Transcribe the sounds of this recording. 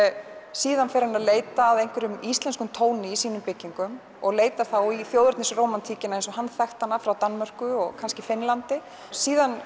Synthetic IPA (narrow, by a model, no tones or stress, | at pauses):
siːðanfeɾɪnaðleːjt̪aːðejn̥kvɪɾʏmist̪lɛnskʏmt̪ʰoːwnɪisiːnʏmpɪcːiŋkʏm | ɔɣleːjt̪aɾθawiθjowðɾʏɾt̪nɪsroːwmant̪ʰiːcɪnaejnsɔhanθɛxt̪anafɾawt̪anmœr̥kʏɔɣkʰanscɪfɪnlant̪ɪ | siːðan